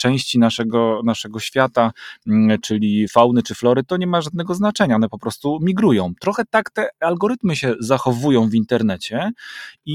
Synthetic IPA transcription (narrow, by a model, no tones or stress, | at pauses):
t͡ʂɛ̃w̃ɕt͡ɕinaʂɛɡɔnaʂɛɡɔɕfʲjat̪a | t͡ʂɘlʲifawnɘt͡ʂɘflɔɾɘt̪ɔɲɛmaʐad̪̚nɛɡɔznat͡ʂɛɲanɛpɔpɾɔst̪umʲiɡɾujɔ̃w̃t̪ɾɔxɛt̪akt̪ɛalɡɔɾɘt̪mɘɕɛzaxɔvujɔ̃w̃vint̪ɛɾnɛt͡ɕɛi